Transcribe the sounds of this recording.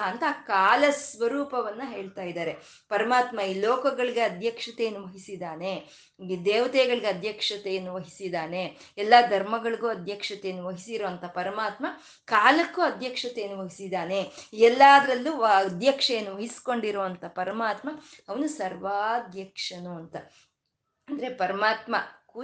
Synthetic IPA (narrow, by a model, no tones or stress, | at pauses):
ɐnt̪aːkaːlɐsʋɐɾuːpɐʋɐnːɐɦe̞ːɭt̪aːjid̪aːɾe̞ | pɐɾɐmaːt̪mɐiːloːkɐɡɐɭiɡe̞ɐd̪ʱjɐkʂɐt̪ejɐnːuʋɐɦisid̪aːne̞ | id̪ɛːʋɐt̪ɛːɡɐɭiɡeɐd̪ʱjɐkʂɐt̪ejɐnːuʋɐɦisid̪aːne | ɛlːɐd̪ʱɐɾmɐɡɐɭiɡuːɐd̪ʱjɐkʂɐt̪ejɐnːuʋɐɦisiɾoʋɐnt̪ʰɐpɐɾɐmaːt̪mɐ | kaːlɐkːuɐd̪ʱjɐkʂɐt̪ejnuʋɐɦisid̪aːne̞ɛlːaːd̪ɐɾɐlːud̪ʱjɐkʂɐjɐnːuʋɐɦisi̥ko̞ɳɖiɾoʋɐnt̪ʰɐpɐɾɐmaːt̪mɐɐʋɐnusɐɾʋad̪jɐkʂɐnuɐnt̪ɐ | ɐnd̪ɐɾe̞pɐɾɐmaːt̪mɐku